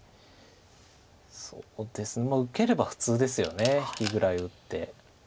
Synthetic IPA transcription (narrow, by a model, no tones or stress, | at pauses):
soːd̪̥e̞sɨnemaːɯ̟ke̞ɾe̞baɸɯ̟̥t͡sɨːd̪e̞sɨjo̞̰ne̞çi̥kʲiɡɯ̟ɾaiɯ̟t̪ːe̞